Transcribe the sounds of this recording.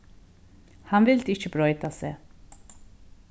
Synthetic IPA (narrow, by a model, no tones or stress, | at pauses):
hamvilt̪ʼit͡ʃʰbɾɔjt̪asɛ